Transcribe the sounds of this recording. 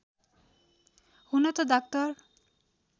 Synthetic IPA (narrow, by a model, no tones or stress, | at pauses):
hunɔt̪od̪ak̚t̪ɔɾ